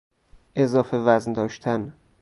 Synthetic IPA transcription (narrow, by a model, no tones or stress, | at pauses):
ʔe̞zɒːfe̞væznd̪ɒːʃt̪ʰæn